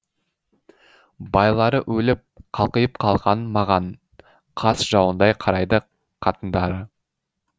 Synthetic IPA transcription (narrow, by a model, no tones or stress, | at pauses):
bɑjlˠɑɾəʔwɵlɪp̚qʰɑlˠqəjəp̚qʰɑlˠʁɑnmɑʁɑn | qʰɑsʒɑwənd̪ɑjqʰɑɾɑjd̪ə | qʰɑt̪ənd̪ɑɾə